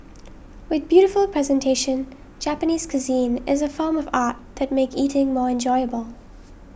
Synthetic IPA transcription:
wɨðbjʉɾɨfəlˠpʰɹ̥ɛzɨ̃ntʰeɪʃɨ̃n | d͡ʒæpəniːz̥kʰɨzĩnɪzəfɔːmʌvɑɹt̪̚ðɨt̚meɪkiɾɪ̃ŋmɔɹɨ̃nd͡ʒɔɪəbəlˠ

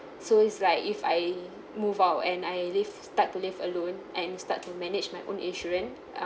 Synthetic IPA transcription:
soɪtslaɪkifaj | muvaʊtɛ̃najlivstatːulivəlõnʔɛ̃nsta̰tːumɛnɪd͡ʒmajʔõ̰nḭ̃nʃɔɹə̃n

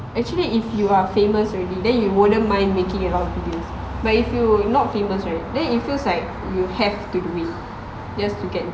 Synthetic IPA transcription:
ʔɛk̚t͡ʃuəliifjuafẽməsɔɹɛdidɛ̃njuwonə̃mãɪ̃nmekĩŋəlɔtɔbidəs | bat̚ifjunɔt̚feməsɹat̚dɛ̃njitfilslaɪk̚ | juhɛftuduit̚ | d͡ʒastuɡɛt̚

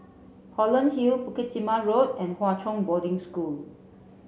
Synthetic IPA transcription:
hɔlə̃nhilpukitimaɹot̚ɛ̃nhwatʰɔ̃ŋbɔdɪ̃ŋskul

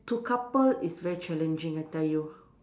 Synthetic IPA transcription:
tukʰapəlisvɛɹit͡ʃɛlɛ̃nd͡ʒĩŋataju

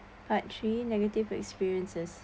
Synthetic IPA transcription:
batʰɹinɛɡətivɛ̰kspiɹiə̃nsəs

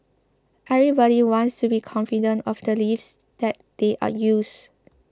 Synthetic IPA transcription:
ʔɛvɹibɔɾiwɔ̃nstubikʰɔ̃nfidə̃ntɔfdəlifs | d̥ɛt̚d̥eʔa̰jus

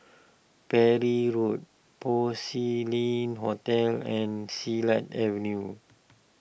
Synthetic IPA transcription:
pɛɹiɹut̚ | pɔsilĩnɦotɛlɛ̃nsilãtɛvə̃nju

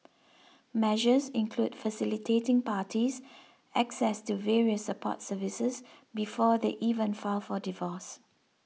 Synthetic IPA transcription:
mɛʒəzɪ̃nkʰludfəsɪlitʰetɪ̃ŋpaːtiz | ʔɛksɛstuvɛɹiəsːəpʰɔ̰tsəvisəsbifɔdeʔivə̃nfalfɔdivɔs

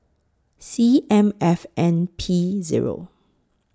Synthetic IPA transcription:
siɛ̃mɛfɛ̃npʰizḭɹo̰

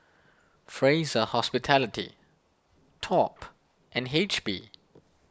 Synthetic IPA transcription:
fɹezəhɔspitʰɛlɪtḭ | tʰɔp | ʔɛ̃net͡ʃbḭ

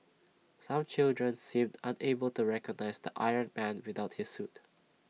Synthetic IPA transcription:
sãmt͡ʃɪldɹə̃nsĩmdãnebəltuɹɛkəɡ̚naɪsd̪əʔa̰ɪənmæ̃nwɪðaʊt̚hisːut

